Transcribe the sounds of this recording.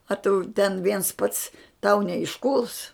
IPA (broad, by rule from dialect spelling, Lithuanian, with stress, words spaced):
ɐ ˈtʊ ˈtʲɛn ˈʋʲiɛns ˈpɐts tɐʊ nʲɛɪʃˈkuːlˠs